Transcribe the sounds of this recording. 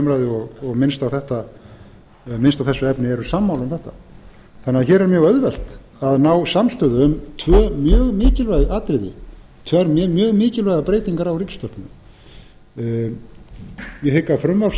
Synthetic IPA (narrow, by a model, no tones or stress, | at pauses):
mɾajðɪɔɣɔɣmɪnst̪awθɛht̪a | mɪnst̪awθɛsːʏɛpnɪɛɾʏsamːawlʏmθɛht̪a | θanːɪaðçɛːɾɛɾmjœːɣœðvɛl̥t̪ | aðnawsamst̪œːðʏʏmt̪ʰvœːmjœːɣmɪːcɪlvajɣaːt̪ɾɪðɪ̰ | t̪ʰvɛɾmmjœːɣmɪːcɪlvɛjɣapɾeːjt̪iŋkaɾawricst̪ɔhpnʏ | jɛhɪkːafɾʏmvaɾf